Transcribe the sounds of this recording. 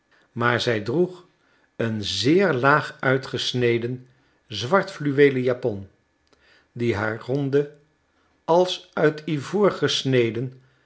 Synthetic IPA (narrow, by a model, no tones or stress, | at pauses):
maːɹzɛjdruχ | ənzɪːɹlaːχœɥtχəsnejdən | zʋɑɹtflyʋejləjapɔn | diɦaːɹrɔndə | ɑlˠsœɥtʰivʊːɹχəsnejdən